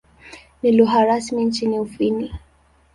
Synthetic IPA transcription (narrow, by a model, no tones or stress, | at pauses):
niluɦaɾasmint͡ʃiniufini